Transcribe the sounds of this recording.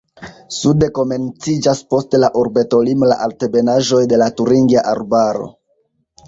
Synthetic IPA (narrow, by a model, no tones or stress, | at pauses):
sude̞ko̞me̞nt͡sid͡ʒaspo̞stelaʔoɾbe̞to̞limla̰ʔaltebe̞naʒo̞jde̞latuɾiŋɡiaʔaɾbaɾo̞̰